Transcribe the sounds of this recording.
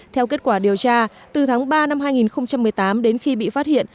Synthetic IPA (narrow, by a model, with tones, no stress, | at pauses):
t̪ʰɛ˧wke˦˥t̚kwaː˧˩ɗi˨˩əwt͡ɕaː˧ | t̪ɨ˨˩t̪ʰaː˨˦ŋɓaː˧na˧mhaː˧jŋi˨˩nxə˧wŋ͡mt͡ɕa˧mːɨ˨˩əjt̪aː˨˦mɗe˨˦nxi˧ɓḭ˧˨faː˦˥t̚hḭ˧˨ən